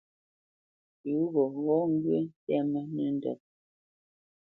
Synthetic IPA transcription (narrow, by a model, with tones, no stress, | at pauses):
tu˨˦ɣɔ˨ɣɔ˦ŋ̩˦ɡɥe˦n˦tɛ˦mə˦nə˦n̩˦dɔ̰˨t̚